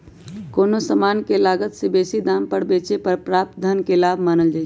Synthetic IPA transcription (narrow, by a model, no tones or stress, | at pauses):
konosəmankelaɡət̪sebesid̪ampəɽbet͡ʃepəɾpɾap̚t̪d̪ʱənkelabʱmanəld͡ʒaːɪt͡ʃʰ